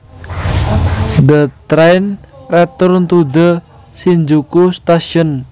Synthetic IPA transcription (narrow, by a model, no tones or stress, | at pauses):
d̪ət̪ɾɛjnrɛt̪ʊrnt̪ud̪ə | siɲd͡ʒukust̪aʃiɔn